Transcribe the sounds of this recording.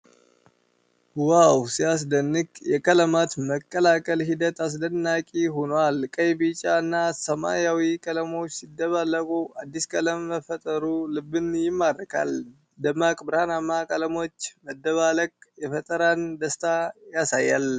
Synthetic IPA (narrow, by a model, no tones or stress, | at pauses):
wawsias̬d̪ənːɨkjɛkʼələmat̪məkʼːəlakʼəlɦid̪ət̪as̬d̪ənːakʼiɦonwalkʼəjbit͡ʃʼaɨnːasəma̰jawikʼələmo̞t͡ʃːsid̪ːəβaləkʼuʔad̪ːiskʼələmːəfət̪ʼəɾulɨbːɨnjɪmːaɾəkʰa̰l | d̪əmakʼbɨɾhanamakʼələmo̞t͡ʃːməd̪ːəβaləkʼjɛfət̪ʼəɾand̪əst̪ʰajasajːal